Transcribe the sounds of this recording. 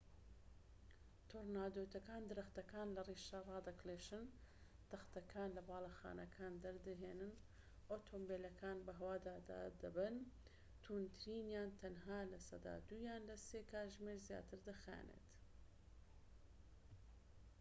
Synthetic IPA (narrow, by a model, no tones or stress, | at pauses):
t̪ʰoɾnaːd̪ot̪ʰɐkaːnd̪ɨɾɐxt̪ɐkaːnlɐriːʃɐrˤɑːd̪ɐkleːʃɨn | t̪ɐxt̪ɐkʰaːnlɐbaːlˠɐxa̰ːnɐkʰaːnd̪ɐɾd̪ɨɦeːnɨn | ʔoːt̪ʰombeːlɐkʰaːnbɐɦɐwaːd̪aːd̪a̰d̪ɐbɨn | t̪ʰuːnt̪ʰɨɾiːnjaːnt̪ʰɐnɦaːlɐsɐ̰d̪a̰ːd̪ujaːnlɐseːkʰaːʒmeːɾzja̰ːt̪ʰɨɾd̪ɐxa̰ːnḛːt̪